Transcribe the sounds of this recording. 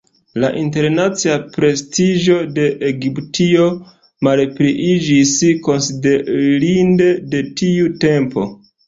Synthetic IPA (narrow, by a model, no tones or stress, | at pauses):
laʔinte̞ɾnat͡siapɾe̞stiʒo̞de̞ʔeɡiptio̞ | malpɾiʔid͡ʒisko̞nside̞ɾinde̞de̞tiute̞mpo̞̰